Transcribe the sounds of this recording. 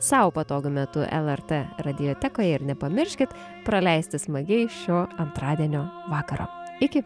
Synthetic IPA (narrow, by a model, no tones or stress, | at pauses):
sɑːʋopɐt̪oːɡʲʊmʲɛt̪ʊʔɛ̰lˠɛɾt̪ɛɾɐd̪ʲɪjoːt̪ʲɛkoːjɛɪɾnʲɛpɐmʲɪɾʲʃʲkʲɪt̪ | pɾɐlʲɛɪsʲt̪ʲɪsmɐɡʲɛɪʃʲoːɐnt̪ɾɑːd̪ʲiɛnʲoːʋɑːkɐɾo̰ːɪkʲɪ